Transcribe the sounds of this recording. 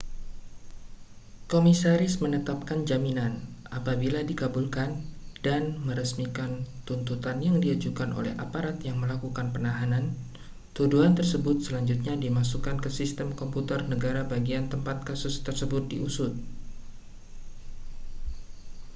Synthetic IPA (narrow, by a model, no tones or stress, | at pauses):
komisaɾɪsmənət̪ap̚kand͡ʒaminanʔapabiladikabulkandanməɾəsmikant̪unt̪ut̪anjaŋdiad͡ʒukanʔo̰lɛ̰ha̰paɾat̪jaŋməlakukanpənaɦanan | t̪uduɦant̪ərsəbʊt̪̚səlaɲd͡ʒut̪̚ɲadimas̬ukankəsist̪əmkɔmput̪ərnəɡaɾabaɡiant̪əmpat̪̚kasʊst̪ərsəbʊt̪̚diʔusʊt̪̚